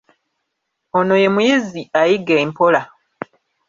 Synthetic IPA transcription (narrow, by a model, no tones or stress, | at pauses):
ono̞je̞mujiziajiɡeimpo̞la